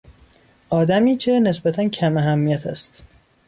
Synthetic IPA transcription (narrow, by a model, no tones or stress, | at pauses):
ʔɒːd̪æmiːcʰe̞ne̞sbæt̪ʰæncʰæmæɦæmːijæt̪ʰæ̰st̪